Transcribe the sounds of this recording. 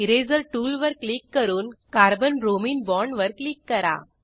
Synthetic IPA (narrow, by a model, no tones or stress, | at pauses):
ɪɾeːzɐɾʈuːlʋɐɾklikːɐɾunkaːɾbɐnɾoːmiːnbɔːɾɳɖʋɐɾklikːɐɾa̰ː